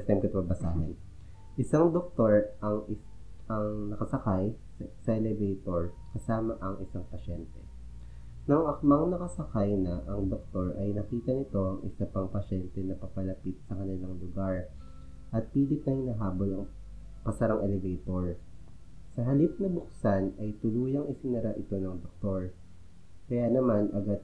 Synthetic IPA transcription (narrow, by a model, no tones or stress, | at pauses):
t̪ɛmkɐt̪ʊmɐbɐsaːɦɐn | ʔɪsaŋd̪ok̚t̪oɹʔɐŋ | ɐŋnɐkɐsɐkaj | ssɐʔɛlɛvɛjt̪oɹ | kɐsaːmɐʔɐŋʔɪsaŋpɐʃɛnt̪ɛ | nɐŋʔɐmɐŋnɐkɐsɐkajnɐʔɐŋd̪ok̚t̪o̞ɹʔɐjnɐkiːt̪ɐnɪt̪o̞ʔɐŋʔɪsɐpɐŋpɐʃɛnt̪ɛnɐpɐpɐlɐpit̪̚sɐkɐnɪlaŋlʊɡaɹ | ʔɐt̪̚piːlɪp̚nɐɪŋnɐɦaːbolɐŋ | pɐsɐɾɐŋʔɛlɛvɛt̪oɹ | sɐɦɐlip̚nɐbʊksanɐjt̪ʊluːjɐŋɪsɪnɐɾaʔɪt̪o̞nɐŋd̪ok̚t̪o̞ɹ | kɐjanɐmanʔɐɡad̪̚